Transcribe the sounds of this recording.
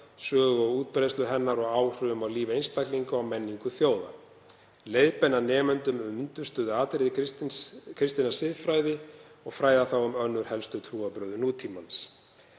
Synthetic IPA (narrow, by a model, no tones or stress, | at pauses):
sœːɣɔuːt̪̚pɾejst̪lʏɦɛnːaɾɔɣaːwr̥ʏʏmawliːvɪejnst̪akliŋkʏawmɛnːiŋkʏθjoːwða̰ | lejðpɛnːanɛːmʏnt̪ʏmʏmʏnt̪ʏst̪œːðʏaːt̪ɾɪð | kʰɾɪst̪inasɪðfɾaːjðɪ | ɔɣfɾaːjðaθawʏmœnːʏɾ̥hɛlst̪ʏt̪ʰɾuːapɾœːðʏnuːt̪ʰimans